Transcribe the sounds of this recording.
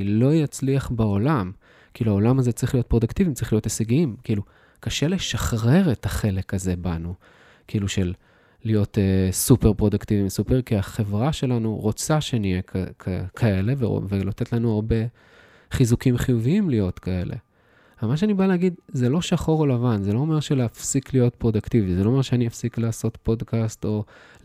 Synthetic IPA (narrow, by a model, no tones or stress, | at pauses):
lo̞jat͡sliaχbao̞lam | kiluao̞lamazet͡sʁiχlijo̞t̚pʁo̞d̪uktivitt͡sʁiχlijo̞teseɡiimkiːlu | kaʃe̞le̞ʃaχʁe̞ʁetaχe̞le̞kaze̞banu | kiːluʃelː | ijo̞tesupe̞ʁpʁo̞d̪uktivimsupeʁkiaχe̞vʁaʃe̞lanuʁot͡saʃenijekʰakʰae̞le̞vḛvelot̪e̞tlanuaʁbe̞ | χizukimχijuviimlijo̞tkae̞le̞̰ | amaʃ̬eanibaleːɡid̪zelo̞ʃaχo̞ʁolavanzelo̞ːme̞ʁʃeleafsiklijo̞tpʁo̞daktivizelo̞omeʁʃeaniafsiklaːso̞tpo̞dkasto̞